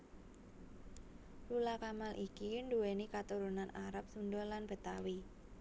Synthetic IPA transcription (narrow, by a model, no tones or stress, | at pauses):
lulakamalʔikiɳduwenikat̪uɾunanaɾap̚sundɔlanb̥ə̤t̪awi